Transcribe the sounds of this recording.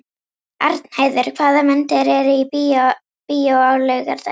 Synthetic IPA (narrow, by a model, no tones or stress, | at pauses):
aɾt̪n̥haːjðɪɾkʰv̥aːðamɛnt̪ɪɾɛɾɪipi | pijowawlœɣaɾt̪a